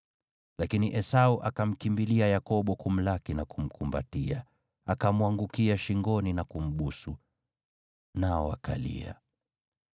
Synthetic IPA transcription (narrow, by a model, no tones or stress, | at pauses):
lakiniʔɛsauʔakam̩kimbiliajakɔɓɔkum̩lakinakum̩kʰumba̰tia | akamwaŋɡukiaʃiŋɡɔninakum̩ɓusu | naɔa̰ka̰lḭa̰